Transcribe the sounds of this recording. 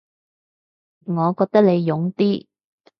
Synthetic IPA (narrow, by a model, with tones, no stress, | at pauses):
ŋɔː˨˧kɔː˧k̚t̪ɐ˥k̚le˨˧jjʊ˨˧˥ŋt̪iː˥